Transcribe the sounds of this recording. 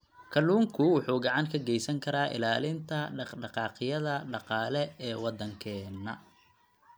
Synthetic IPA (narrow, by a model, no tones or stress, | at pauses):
kʰɐluːŋkʰʊwʊħuːɡɑʕɑŋkʰɐɡɛjsɐŋkʰɐɾaːʔɪ̰laːlɪnt̪ʰɐɖɑɖɑqɑːqɪjɐðɐɖɑqɑːlɛɛːwɑd̪ɐŋkʰɛːnːɐ̰